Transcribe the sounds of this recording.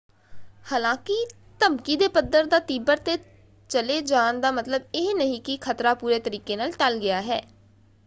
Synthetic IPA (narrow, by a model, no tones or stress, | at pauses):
haːlãːkɪ | t̪əmkiːd̪eːpəd̪əɾd̪aːt̪iːbəɾt̪eː | t͡ʃəleːd͡ʒaːnd̪aːmət̪ləbeːnəɦĩːkɪkʰət̪ɾaːpuːɾeːt̪əɾiːkeːnaːlʈəlɡɪaːɦɛː